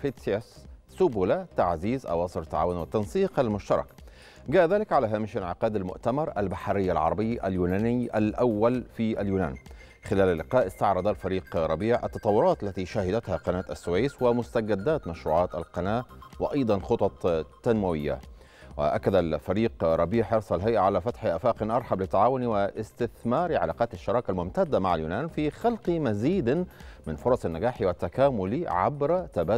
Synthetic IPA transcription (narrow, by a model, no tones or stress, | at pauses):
fit̪sesː | ʊbuːlat̪aʕziːzʔɑ̰wɑːsˤɨɾt̪ːaʕaːwʊnwɪt̪ːɑnsiːqalmʊʃt̪ɑɾˤɑ̰k | ɡaːʔðaːlɪkʕalaːɦaːmɪʃɪnʕɪqɑːd̪almʊ̰ʔt̪amɑɾˤʔalbaħɾɪjːalʕɑ̰ɾˤɑbɪjːʔa̰ljuːnaːnɪjʔalʔawːalfiːʔaljuːna̰ːn | xɪlæːlalːɪqɑːʔɪst̪ɑʕɾˤɑd̪alfæɾiːqɾˤɑbiːʕʔa̰t̪ːɑt̪ˤɑwːʊɾˤɑːt̪ʔalːat̪iʃahɪd̪æt̪haqɑnaːt̪asːʊweːjswɪmʊst̪aɡad̪ːaːt̪maʃɾuːʕɑːt̪alqɑnaːʔwɪʔɑjd̪ˤɑnxot̪ˤɑt̪ˤt̪ːanmawɪjːa̰ | wɪ̰ʔa̰kːad̪alfæɾiːqɾˤɑbiːħʔɑɾsˤɑlɦajʔaʕalafat̪ħiʔaːfaːqɪnʔɑɾˤħɑblɪt̪ːaʕaːwʊniwɪʔɪst̪ɪθmɑːɾiʕa̰laːqɑːt̪aʃːɑɾˤɑːkalmʊmt̪ad̪ːamaʕaljuːnaːnfiːxɑlqmaziːd̪mɪnfʊɾˤɑsˤanːaɡaːħiwɪt̪ːakaːmʊliʕa̰bɾat̪abaː